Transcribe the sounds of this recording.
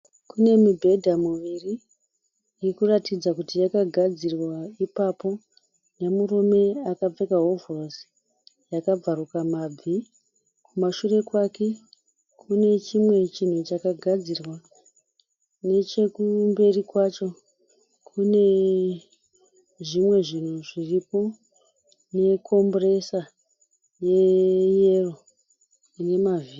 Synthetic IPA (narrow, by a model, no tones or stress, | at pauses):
kune̞mibʱe̞dʱamuʋiriː | kuratid͡zakutijakaɡʱad͡zirwaipapo̞ | ne̞murume̞akab͡ve̞kaɦovros | jakab͡varukamab͡vi | kumaʃure̞kwake̞ | kune̞t͡ʃimwe̞t͡ʃin̤ut͡ʃakaɡʱad͡zirwa | ne̞t͡ʃe̞kumbe̞rikwat͡ʃo̞ | kʰune̞ | ʐimwe̞ʐin̤uʐiripo̞ | ne̞kʰo̞mbre̞sa | je̞je̞ro̞ | ne̞mavi